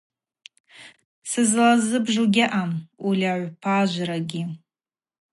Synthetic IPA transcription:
sɨzlazɨbʐuɡʲɪʔamulʲaʕʷpʰaʒʷɾaɡʲi

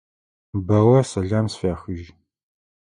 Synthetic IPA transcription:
bɐwɐsɐɮaːmsfaːxʷiʒ

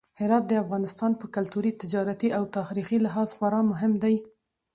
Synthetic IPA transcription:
hɪɾɑt̪̚d̪əafɣɑnɪst̪ɑnpəkalt̪uɾit̪ɪd͡ʒɑɾat̪iʔawt̪ɑxɾixilɪɦɑzxwaɾɑmʊɦɪmd̪aj

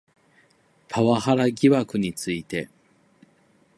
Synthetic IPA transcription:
pʰaβahaɾaɡʲiβakɯ̟ɲ̟it͡sɨit̪e̞

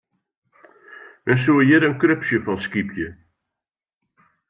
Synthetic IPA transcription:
mɛns̬uəjɪɾənkrøpsjəfɔnskipʰjə

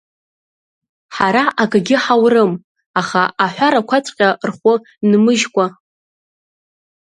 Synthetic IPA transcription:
ħaɾaʔaɡɡʲɪħawrɨm | aχaaħʷᶣaɾakʷʰat͡sʷʼqʲʼarχʷʊ | nmɨʒkʷʼa

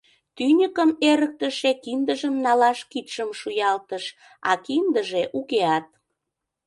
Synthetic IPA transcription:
t̪ynʲəkəmeɾək̚t̪əʃekind̪əʒəmnɑlɑʃkit̪ʃəmʃujɑlt̪əʃ | ɑ̰kind̪əʒeʔukeɑt̪̚

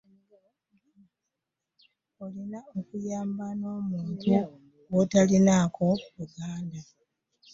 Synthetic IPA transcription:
olinaokujaːmbano̞ːmuːntʰu | ɡotalinakʰo̞luɡaːnda

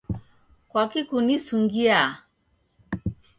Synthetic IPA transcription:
kwakikunisuŋɡia

